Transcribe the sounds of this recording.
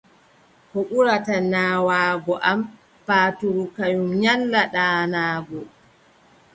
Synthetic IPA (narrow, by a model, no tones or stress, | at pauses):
kɔɓuɾatanaːwaːɡɔʔam | paːtuɾukajumɲalːaɗaːnaːɡɔ